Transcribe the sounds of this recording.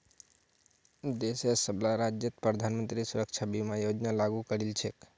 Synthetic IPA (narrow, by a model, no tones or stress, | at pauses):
d̪esesəblaɾad͡ʒjət̪̚pɾəd̪ʱanmənt̪ɾisuɾək̚t͡ʃʰabimajod͡ʒnalaɡukəɾilt͡ʃʰek